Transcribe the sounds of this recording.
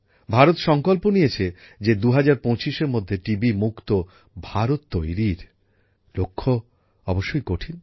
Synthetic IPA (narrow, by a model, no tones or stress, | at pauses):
bʱaɾot̪ʃɔŋkolponijet͡ɕʰe | d͡ʑed̪uɦad͡ʑaɾpõt͡ɕiʃeɾmod̪ʱːeʈibimukt̪o | bʱaɾot̪ːojɾiɾ | lokʰːo | ɔboʃːojkoʈʰin